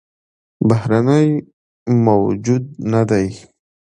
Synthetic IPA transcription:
bahɾanəj | mawd͡ʒud̪̚nad̪aj

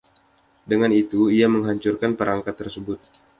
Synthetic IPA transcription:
dəŋanit̪uiaməŋɦaɲt͡ʃurkanpəɾaŋkat̪ːərsəbʊt̪̚

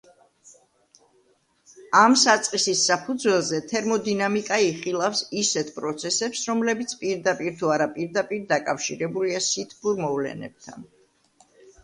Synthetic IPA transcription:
amsat̪sʼqʼisisːapʰud̪zwɛlˠzɛt̪ʰɛɾmɔd̪inamikʼaiχilˠafsisɛt̪ʰpʼɾɔt̪sʰɛsɛpsɾɔmlɛbit̪sʰpʼiɾd̪apʼiɾt̪ʰuaɾapʼiɾd̪apʼiɾd̪akʼafʃiɾɛbuliasit̪ʰbuɾmɔvlɛ̰nɛ̰b̥̚t̪ʰa̰n

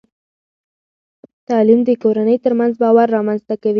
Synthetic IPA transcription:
t̪ɑlimd̪əkoɾanəjt̪əɾmanzbɑwaɾːɑmanzt̪akawi

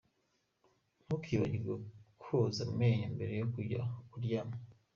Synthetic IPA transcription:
n̥ukʰiːβaɟiɡokʰuzaumeːɲambe̞ɾe̞jokuɟa̰kuɾjamo

